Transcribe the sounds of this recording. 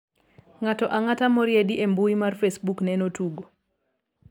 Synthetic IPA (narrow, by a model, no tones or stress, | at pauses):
ŋatɔʔaŋatamɔɾjediʔembuimarfesbuknɛnotuɡo